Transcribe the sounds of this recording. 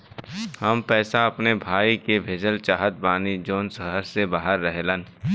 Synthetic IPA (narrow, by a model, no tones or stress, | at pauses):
həmpɛːsaɐpnebʱaːikebʱeːd͡ʒəlt͡ʃaːɦət̪̚baːnid͡ʒoːnsəɦəɾsebaːɦəɾːəɦlən